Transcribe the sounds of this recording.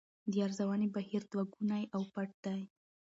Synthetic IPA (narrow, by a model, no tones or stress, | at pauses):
d̪əjaɾzawɑnebahiɾd̪waɡunajʔawpaʈ̚d̪̥aj